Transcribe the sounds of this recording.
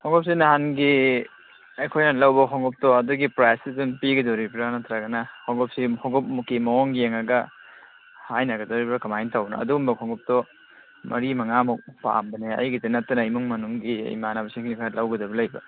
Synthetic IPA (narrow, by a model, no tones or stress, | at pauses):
hɔŋɡɔp̚sinaɦanɡi | ejkʰojnɐlɐwbɐkʰɔŋɡɔp̚tɔɐduɡipɾajsidunpiɡɐdɔɾibɾanɐtʰɾaɡɐnɐhɔŋɡɔp̚sihɔŋɡɔp̚mukimɐɔŋɡieŋɐɡɐ | hajnaɡɐdɔɾibɾakɐmajntawbnɐ̰ɐ̰duumbɐkʰɔŋɡɔp̚tɔ | mʔɐ̰ɾimɐŋamɔk̚pa̰mbɐneɐ̰jɡitinɐtːɐnɐimuŋmɐnuŋɡḭjmanabɐsikʰinikʰalawɡɐdɐbɐlɐjbɐ̰